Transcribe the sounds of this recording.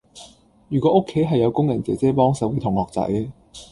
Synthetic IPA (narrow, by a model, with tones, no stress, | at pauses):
jyː˨˩kʷɔː˨˧˥ʔʊ˥kʰːe˨˥jɦɐ˨jːɐ˨˧wkʊ˥ŋjɐ˨˩nt͡sɛ˨˩t͡sɛː˥pɔː˥ŋsɐ˨˥wke˧t̪ʰʊ˨˩ŋhɔː˨k̚t͡sɐ̰˨˥j